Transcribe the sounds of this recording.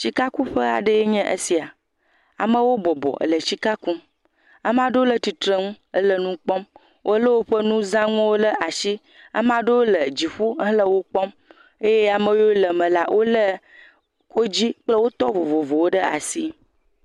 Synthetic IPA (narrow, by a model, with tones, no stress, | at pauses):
t͡ɕi˦ka˦ku˦ɸə˦a̰˨ɖə˦je˦ɲɛ̃˦ʔə̰˦si˨a˨ | a̰˨mə̃˦wo˦bɔ˨bɔ̰˨ə̰˨lə˨t͡ɕi˦ka˦ku˦m | a˨m˦ã˦ɖə˦wo˦lə˨t̪i˨t̪ɾə˦ŋũ˦ | ə˦lə˦nũ˦k͡pɔ˦m | wʔo˦lə˦wo˦ɸə˦nũ˦zã˦ŋɔ̃˦wo˦lə˦ʔa˨ʃi˦ | a̰˦m˦ã˦ɖə˦wo˦lə˨d͡ʑi˨ɸu˦lə˦wo˦k͡pɔ˦m | e˦je˦a˨mə̃˦˨wo˦lə˨mə̃˨la˦wʔo˦lə˦ | ko˦d͡ʑi˦k͡plə˦wo˦t̪ɔ˦vo˨vo˨vo˨wo˦ɖə˦a̰˨si˦